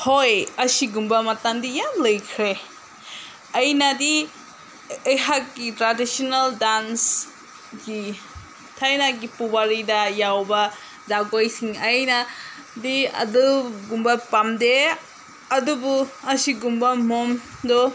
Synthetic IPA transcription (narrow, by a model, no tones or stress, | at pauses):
hojɐsiɡumbɐmɐtaŋdijamlɐjkʰɾe | ɐjnɐdi | ejɦak̚ɡitɾadisonaldans | ɡi | tʰajnaɡipubaɾidɐjawbɐ | zaɡojsiŋɐjnɐ | diɐ̰duɡumbɐpamde | ɐdubuɐsiɡumbɐmomdɔ